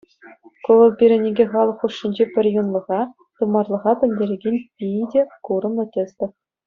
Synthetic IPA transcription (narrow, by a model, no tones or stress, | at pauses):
koʋɤ̆lpʲiɾʲĕnʲeɡʲeχɑlˠɤ̆χːuʂːinʲd͡ʑepʲɘ̆rʲjunlˠɤ̆ʁɑ | t̪umɑrlˠɤ̆ʁɑpʲɘ̆nʲdʲeɾʲeɡʲenʲpʲidʲekuɾɤ̆mlˠɤ̆tʲesʲt̪ʲɘ̆